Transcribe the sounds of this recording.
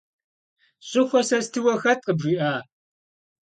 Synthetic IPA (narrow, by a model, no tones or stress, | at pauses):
ɕʼɪxʷɔsɐstʰɨwɐxɐtʼqəbʐiːʔaː